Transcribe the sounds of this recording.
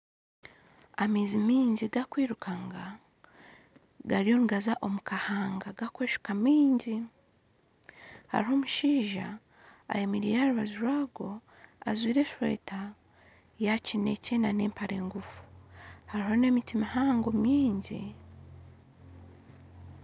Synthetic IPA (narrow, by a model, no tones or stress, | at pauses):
amiːzimiːɲɟiɡakwiːɾukaŋɡa | ɡaɾio̞ːŋɡazaʔo̞mukahaːŋɡaɡakweːʃu̥kamiːɲɟi | ha̰ɾiɦo̞ːmuʃiːʒa̰ː | jemiɾiːɾeaɾuβazuɾwaːɡo̞ | azwiːɾe̞ʃwe̞̰ːta | jacine̞cenane̞ːmpaɾe̞ːŋɡufu̥haɾiɦo̞ne̞mitimahaːŋɡo̞miːɲɟḭ